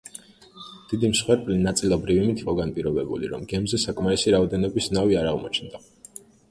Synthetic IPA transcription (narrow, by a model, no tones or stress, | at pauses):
d̪̥id̪imsχwɛɾpʼlinat̪sʼilˠɔbɾivimit̪ʰiqʼɔɡanpʼiɾɔbɛbṵlḭɾɔ̰mɡɛmzɛsakʼmaɾisiɾaɔd̪ɛnɔbisnaviaɾaʁmɔt͡ʃʰnd̪a